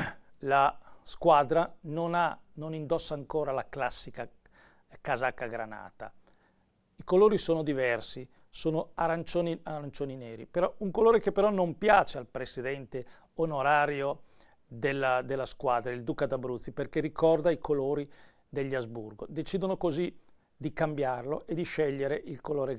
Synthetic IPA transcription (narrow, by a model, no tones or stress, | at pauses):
laskwaːd̪ɾanonanonind̪ɔsːaːŋkoːɾalaklasːika | kazakːaɡɾa̰na̰ːt̪a̰ | ikoloːɾisoːnod̪ivɛrsi | soːnoaɾant͡ʃoːniaɾant͡ʃoːnineːɾḭpeɾɔuŋkoloːɾekepːeɾɔnompjaːt͡ʃealpɾesid̪ɛnt̪e | onoɾaːɾjo | d̪elːad̪elːaskwad̪ɾaild̪uːkad̪abɾut̪sːiperkerikɔrd̪aikʰoloːɾi | d̪eʎːazbṵrɡod̪et͡ʃiːd̪onokozi | d̪ikambjarloʔed̪iʃɛʎːeɾeʔilkoloːɾe